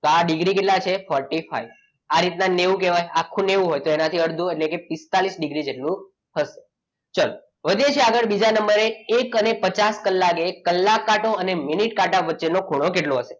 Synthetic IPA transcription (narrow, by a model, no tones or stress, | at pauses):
t̪oaɖiɡɾikeʈlat͡ʃʰefʰɔɾʈifa̰iʋ | aɾit̪naneʋũkeʋajakʰːũneʋũɦojt̪oenat̪ʰiəɾd̪ʱũeʈlekepist̪alisɖiɡɾid͡ʒeʈlũ | ɦəʃe̥ | t͡ʃəl | ʋəd̪ʱjet͡ʃʰeaɡəɭbid͡ʒanəmbəɾeekənepət͡ʃaskəlːakekəlːakːaʈoəneminiʈkaʈaʋətːʃenoɡʱuɽ̃okeʈloɦəse̥